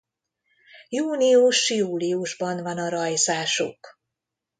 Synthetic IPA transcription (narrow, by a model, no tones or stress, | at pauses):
juːniuʃjuːliuʒbɒnvɒnɒɾɒjzaːʃṵk